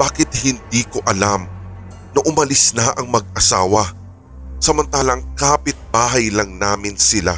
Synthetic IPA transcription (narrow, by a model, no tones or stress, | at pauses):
b̥aːkɪt̪̚hɪnd̪iːko̞ʔɐlam | nɐʔʊmɐlɪsnɐʔɐŋmɐɡ̚ʔɐsaːwɐ | sɐmɐnt̪aːlɐŋkaːpɪt̪̚baːɦɐjlɐŋnaːmɪnsɪla̰